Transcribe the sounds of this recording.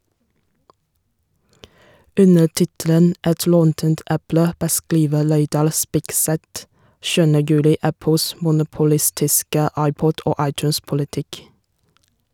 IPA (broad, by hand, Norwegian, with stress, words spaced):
ˈʉnə ˈtɪtələn ˈʔɛt ˈlɔntənt ˈʔæplə bəˈskliːʋə ˈleɪdɑl ˈspɪkˌsɛt ˈʃʉːənə ˈjʉːlɪ ˈæpəls mʊnʊpʊˈlɪstɪskə ˈɑɪˌpɔd ˈoː ˈɑɪˌtjʉːnspʊlɪˌtɪk